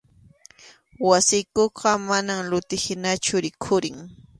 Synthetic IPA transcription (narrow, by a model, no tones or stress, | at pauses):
wasɪjkoqɑmanamlʊt̪ɪhɪnat͡ʃʊɾɪkʰʊɾɪŋ